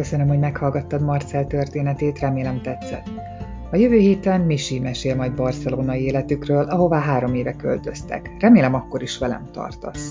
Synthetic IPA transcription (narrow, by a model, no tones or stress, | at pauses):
køsø̞nømho̞ɟmɛkhɒlɡɒt̪ːɒd̪mɒrt̪sɛlt̪ø̞rt̪eːnɛt̪eːt̪rɛmeːlɛmt̪ɛt̪sːɛ̰t̪ː | ɒjøvøːɦeːt̪ɛnmiʃimɛʃeːlmɒjd̪bɒrt̪sɛloːnɒjieːlɛt̪ykrøːlʔɒɦo̞vaːɦaːɾo̞meːvɛkø̰lt̪ø̞st̪ɛ̰krɛmeːlɛmɒkːo̞ɾiʃʋɛlɛ̰mt̪ɒ̰rt̪o̞̰s